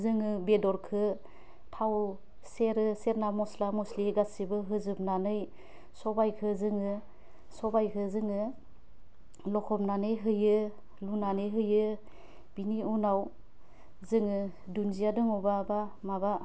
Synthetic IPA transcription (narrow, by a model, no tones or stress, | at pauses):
zɯŋɯbedɔɾkʰɯ | tʰaw | seɾɯseɾnamɔslamɔsliɡasibɯɦɯzɯp̚nanɯj | sɔbajkʰɯzɯŋɯ | sɔbajkʰɯzɯŋɯ | lɔkʰɔp̚nanɯjɦɯjɯ | lunanɯjɦɯjɯ | b̥iniunaw | zɯŋɯ | dunzijadɯŋɔbabamaba